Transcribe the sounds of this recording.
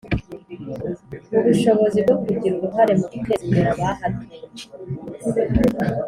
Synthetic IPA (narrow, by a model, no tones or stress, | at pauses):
uβuʃo̞βo̞zib̚ɡokuɟiɾuɾuɦaɾe̞muɾukeːkeɾaβahaɾe